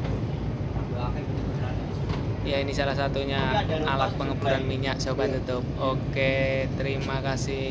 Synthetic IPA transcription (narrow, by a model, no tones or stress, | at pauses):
jainisalahsat̪uɲaalat̪̚pəŋəpuɾanmiɲaʔsobat̪ut̪ʊp̚oket̪əɾimakasɪ